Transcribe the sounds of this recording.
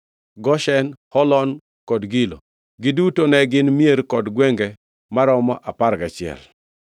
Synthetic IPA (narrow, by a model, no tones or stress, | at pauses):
ɡɔʃɛnhɔlɔn | kɔdɡilo̰ | ɡɪdutonɛɡɪnmieɾkɔdɡwɛŋɡɛ | maɾɔmɔ̰ʔapaɾɡat͡ʃɪɛ̰l